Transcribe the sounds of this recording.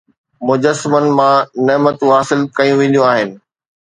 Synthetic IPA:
mʊd͡ʑəsmənɪ̆mãnɐmət̪uɦaːsɪlkɐjũʋẽːnd̪jũaːɦɪnɪ̆

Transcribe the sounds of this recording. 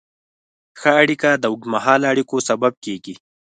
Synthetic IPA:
xəːɽikad̪əuɡmaɦɑːlaɽikosabab̚keːɡi

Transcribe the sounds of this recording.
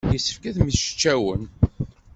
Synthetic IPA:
jəsə̥fkæθmiʃə̥t͡ʃːæwən

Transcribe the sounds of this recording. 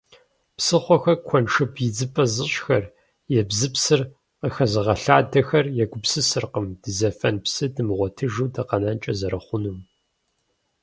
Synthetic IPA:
psɨχʷɔxɐkʷʰɔnʂɨbjɪd͡zɨpʼɐzɨɕxɐr | jɛbzɨpsɨr | qəxɐzɨʁɐɬaːdɐxɐrjɛɡʷʊpsɨsɨrqəmd̥ɨzɐfɐnpsɨdɨmʁʷɔtʰɨʒɨwdɐqɐnaːnt͡ʃʼɐzɐɾɐχʷʊnum

